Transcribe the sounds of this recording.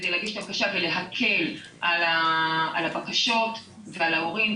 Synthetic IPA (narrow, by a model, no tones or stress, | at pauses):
dejlaɡiʃet̪abakaʃavele̞ɦakʰe̞l | ʔalaalabakaʃo̞t | vealaoʁim